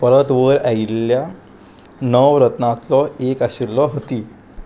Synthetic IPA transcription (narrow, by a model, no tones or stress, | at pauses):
pəɾət̪ʋəɾailja | nəʋɾət̪nãt̪lɔekaɕilːɔɦət̪i